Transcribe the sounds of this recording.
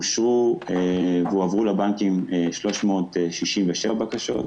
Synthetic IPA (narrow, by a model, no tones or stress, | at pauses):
uʃʁuevuavʁulabaŋkimeʃlo̞ʃmo̞tʃiʃimveʃebakaʃo̞̰t̚